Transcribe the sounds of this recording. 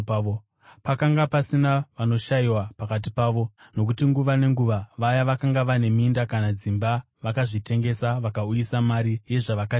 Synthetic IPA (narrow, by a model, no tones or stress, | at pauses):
pakaŋɡapasinaʋano̞ʃajiwapakat̬ipaːʋo̞ | no̞k̬utiŋɡuʋane̞ŋɡuʋaʋajaʋakaŋɡaʋane̞mindakanad͡zimba | ʋakaʐite̞ŋɡe̞saʋakaujisamaɾije̞ʐaʋakai